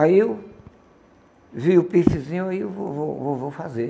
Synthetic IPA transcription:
aiw | viʊpisizĩɲʊaiwvovowvovowfaze

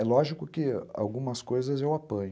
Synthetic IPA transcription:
ɛlɔʒikʊkɪa̰wɡũmɐskojzɐzewapɐ̃ɲ

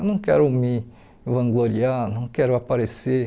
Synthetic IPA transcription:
wnɐ̃w̃kɛɾʊmɪ | vɐ̃ŋɡloɾianɐ̃w̃kɛɾʊapaɾese

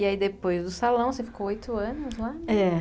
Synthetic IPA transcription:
iaid̪epojzd̪ʊsalɐ̃w̃sefi̥koojt̪ʊɐ̃nʊzlaɛ

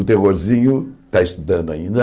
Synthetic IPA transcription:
ut̪eʁoɾzĩɲut̪aiʃt̪uðɐ̃nd̪uɐ̰ĩnd̪ɐ

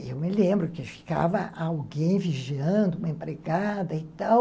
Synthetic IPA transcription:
ḛwmɪlẽmbɾʊkɪfi̥ka̰vɐʔawɡẽj̃viʒiɐ̃nd̪ʊũmɐẽmpɾeɡad̪ɐit̪aw

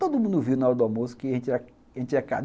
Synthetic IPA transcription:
t̪od̪ʊmũnd̪ʊviwnaɔɾɐd̪ʊamosʊ̥kɪaʒẽnt͡ʃɪɛ | ʒẽnt͡ʃɪɛka̰

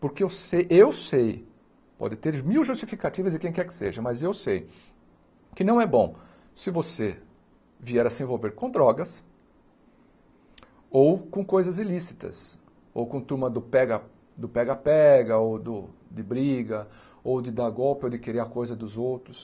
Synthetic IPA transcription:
poɾkɪewsejʔewsej | pɔ̰d̪ɪt̪eɾmiwʒust͡ʃifikat̪ivɐzd͡ʒɪkẽj̃kɛɾkɪ̥seʒɐmɐzewsej | kɪnɐ̃w̃ɛbõ | sɪvose | viɛɾɐsɪẽvowveɾkõd̪ɾɔɡɐs | owkõkojzɐzilisi̥t̪ɐ̰s | o̰wkõt̪uɾmɐd̪ʊpɛɡɐ | d̪ʊpɛɡɐpɛɡɐowd̪ʊd̪ɪbɾiɡɐ | owd̪ɪd̪aɡɔwpɪowd̪ɪkeɾeɾɐkojzɐd̪ʊzowt̪ɾʊs

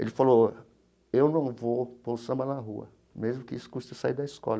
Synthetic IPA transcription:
ḛlɪfalo | ewnɐ̃w̃vopowsɐ̃mɐlaɦuɐ̰ | mezmʊkɪisʊ̥kuʃt̪ɐsaiɾd̪ɐiskɔ̰lɐ

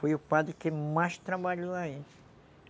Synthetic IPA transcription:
fojʊpad̪ɾɪkɪmajst̪ɾabaʎoai

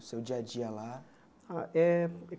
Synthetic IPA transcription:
sewd͡ʒiad͡ʒiala | aʔɛ

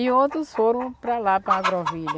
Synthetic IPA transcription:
iot̪ɾʊsfoɾɐ̃w̃pɾalapɾɐɡɾɔviʎɐ

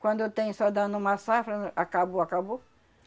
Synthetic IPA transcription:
kwɐ̃nd̪ot̪ẽj̃sɔd̪ɐ̃nʊũmɐsafɾɐʔakaboakabo

